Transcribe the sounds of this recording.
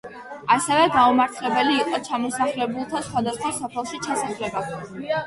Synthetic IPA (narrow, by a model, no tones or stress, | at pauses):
asɛvɛɡaumaɾt̪ʰlɛbɛliːqʼɔt͡ʃʰamɔsaχlɛbulˠt̪ʰasχwad̪asχwasɔpʰɛlˠʃit͡ʃʰasaχlɛba